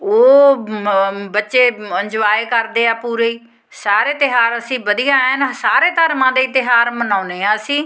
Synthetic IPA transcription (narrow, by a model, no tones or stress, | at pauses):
oː | bətːʃeːəɲd͡ʒʋaːeːkəɾd̪eːaːpuːɾeːiː | saːɾeːt̪ɪɦaːɾəsĩːbəd̪ijãːənsaːɾeːt̪əɾmãːd̪eːit̪ɪɦaːɾmənãːneːãːsĩː